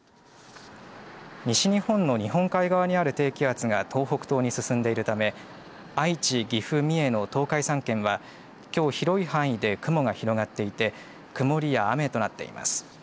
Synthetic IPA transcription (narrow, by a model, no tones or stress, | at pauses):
ɲ̟iɕiɲ̟ihõ̞nːo̞ɲ̟iɦõ̞ŋkaiɡaβaɲ̟iaɾɯ̟t̪e̞ːkʲiat͡sɨɡat̪ʰo̞ːɦo̞kɯ̟̥t̪o̞ːɲ̟isɨsɨ̃nd̪e̞iɾɯ̟t̪ame̞ | ait͡ɕiɡʲiɸɯ̟mʲie̞no̞t̪o̞ːkaisãŋkẽ̞ɰ̃βa | kʲo̞ːçiɾo̞ihãɰ̃id̪e̞kɯ̟mo̞ɡaçiɾo̞ɡat̪ːe̞it̪e̞ | kɯ̟mo̞ɾʲijaːme̞t̪o̞nat̪ːe̞̰ḭma̰sɨ̥